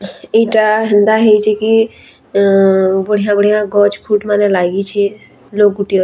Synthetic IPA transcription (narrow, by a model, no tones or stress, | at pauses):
eʈaɦənd̪aɦeit͡ʃʰiki | bəɽ̤ijãbəɽ̤ijãɡɔːt͡ʃkʰuːʈmanẽlaːɡit͡ʃʰi | loːk̚ɡʊʈijo